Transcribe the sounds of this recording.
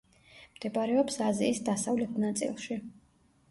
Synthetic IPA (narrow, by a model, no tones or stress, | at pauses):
md̪̥ɛbaɾɛɔpsaziːsd̪asavlɛt̪ʰnat̪sʼḭlˠʃi